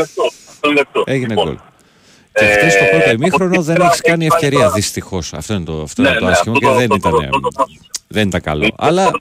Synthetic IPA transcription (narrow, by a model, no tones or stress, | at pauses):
eʝineko̰l | ceft̪est̪opooimixɾo̞noðeneçi̥skɐniefce̞ɾiɐðist̪ixo̞sɐ̰ft̪o̞int̪oɐft̪oinet̪oɐsçimoceðenit̪ɐnḛ | ðenit̪ɐŋkɐ̰lo̞̰ʔɐ̰lɐ